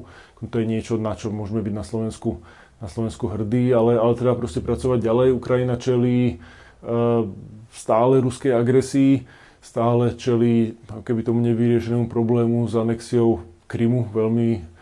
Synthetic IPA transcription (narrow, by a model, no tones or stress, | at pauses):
kt̪ɔjɛɲɪɛt͡ʃɔnat͡ʃɔmʊɔʒɛmɛbiɟnaslɔʋɛnsku | naslɔʋɛnskuɦr̩d̪iːalɛalɛt̪ɾɛbapɾɔscɛpɾat͡sɔʋaɟ̚ɟalɛjukɾajinat͡ʃɛliː | st̪aːlɛɾuskɛjaɡɾɛsiː | st̪aːlɛt͡ʃɛliːakɔkɛbit̪ɔmuɲɛʋiɾɪɛʃɛnɛːmupɾɔblɛːmuzanɛksiɔʊkɾimuʋɛʎmi